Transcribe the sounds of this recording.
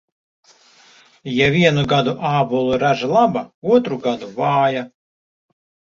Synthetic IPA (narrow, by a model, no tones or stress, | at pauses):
javʲiɛnuɡad̪uʔaːbulˠuɾaʒalˠabauɔt̪ɾuɡad̪uvɑːja